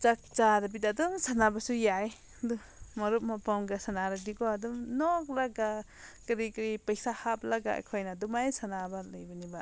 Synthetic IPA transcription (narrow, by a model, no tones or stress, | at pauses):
t͡ʃak̚t͡ʃadaɐbitadɔŋsanabasujaj | du | mɐɾup̚mɔpamɡasanaɾak̚dikɔadumnɔk̚laɡa | kɐɾikɾipɐjsahap̚laɡa̰kʰɔjnadumajsanabalɐjbɐniba